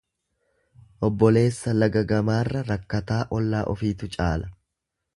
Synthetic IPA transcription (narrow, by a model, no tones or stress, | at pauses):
ʔɔbːɔle̞ːsːɐlɐɡɐɡɐmaːrːɐɾɐkːɐt̪aːʔɔlːaːʔɔfiːt̪ʊt͡ʃʼaːlɐ